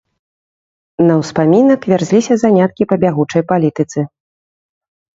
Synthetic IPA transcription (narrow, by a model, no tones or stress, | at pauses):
nɐwspamʲinɐkvʲarzʲlʲisʲɐzanʲat̪̚kʲipɐbʲaɣut͡ʂɐjpalʲit̪ɨt̪sɨ